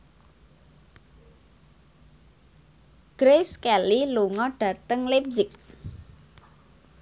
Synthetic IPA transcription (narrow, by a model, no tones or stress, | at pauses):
ɡ̥ɾeskɛliluŋɔɖ̥a̤t̪əŋlep̚zɪk